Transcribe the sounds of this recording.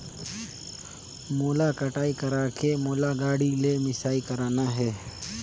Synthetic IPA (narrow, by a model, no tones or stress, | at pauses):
moːlaːkəʈaːiːkəɾaːkʰeːmoːlaːɡaːɽiːleːmɪsaːiːkəɾaːnaːɦɛː